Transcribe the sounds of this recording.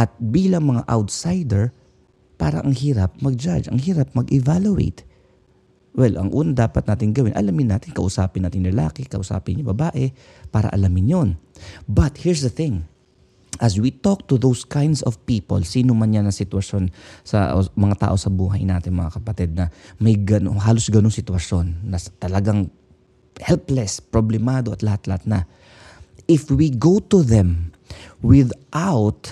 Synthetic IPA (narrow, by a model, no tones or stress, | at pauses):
ʔɐt̪̚biːlɐŋmɐŋaʔawt̪sajd̪ɛɹ | pa̰ːɾɐ̰ʔɐŋhiːɾɐp̚mɐɡ̚d͡ʒad͡ʒɐ̰ŋhiːɾap̚mɐɡʔɛvalʊʔḛjt̪ | wɛlʔɐ̰ŋʔuːnɐd̪aːpɐt̪̚naːt̪ɪŋɡɐwɪnʔɐ̰lamɪnːaːt̪ɪnkɐʔʊsaːpɪnːaːt̪ɪŋlɛla̰ːkɪkɐʔʊsa̰ːpɪnjʊbɐbaːʔɛ | paːɾɐ̰ʔɐ̰lamɪnjonbɐt̪hiɹs̬d̪ɐθɪ̃ŋ | ʔɐzwit̪ok̚t̪ʊðowskʰãjnd̪sɔvpiːpo̰lsiːnomɐnɲanɐŋsɪt̪wɐʃo̞nsɐ̰mɐŋat̪a̰ːʔo̞sɐbuːɦɐjnaːt̪ɪŋmɐŋakɐpɐt̪ɛd̪̚nɐmɐjɡɐnoɦaːlo̞sɡɐnoŋsɪt̪wɐʃjo̞nːɐst̪ɐlɐɡaŋ | hɛlplɛspɾoblɛmaːd̪oʔɐt̪lɐhat̪lɐhat̪̚nɐ | ʔɪfwiɡowt̪ʊðɛ̃m | wɪðʔawt̪̚